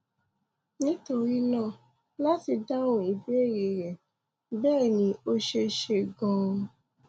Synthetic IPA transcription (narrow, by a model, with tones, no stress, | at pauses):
nĩ˦to˧ɾi˦nãː˦˨ | la˦ti˧da˦õ˦˨i˨˦be˦e˦˨ɾe˨ɾɛ˨ | bɛː˦˨nĩ˧˦o˦ʃe˧ʃe˧ɡɔ̃˧